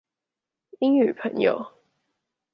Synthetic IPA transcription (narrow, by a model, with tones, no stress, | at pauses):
i˦˥ŋy˨˩pʰə˨˩˦ŋjo̰˨ʊ